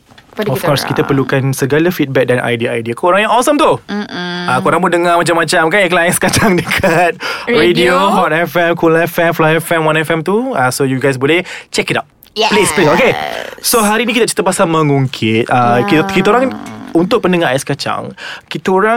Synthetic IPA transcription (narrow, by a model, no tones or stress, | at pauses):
ɔfkɔɾskit̪apəɾlukansəɡalafit̪̚bɛk̚danʔa̰jdiajdiakooɾaŋjaŋɔsəmt̪u | akoɾãŋbodəŋamat͡ʃamːat͡ʃamkaiklaɛ̃nskat͡ʃaŋdəkʰat̪̚ɹedioɦɔtɛfɛmkulaɛfɛmflaɛfɛmwanɛfɛmt̪uasojuɡajs̬bolɛht͡ʃɛkitaʊt̚ | plesplesokesoɦaɾinikit̪at͡ʃi̥t̪əpasamə̃ŋuŋkʰɪt̪̚akit̪aoɾaŋunt̪ʊʔ̚pəndəŋaɛ̃skat͡ʃa̰ŋkit̪əoɾa